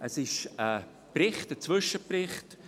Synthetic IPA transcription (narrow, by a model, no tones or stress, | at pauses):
əsɪʃə | prɪχtət͡sv̥ʏʃəprɪχt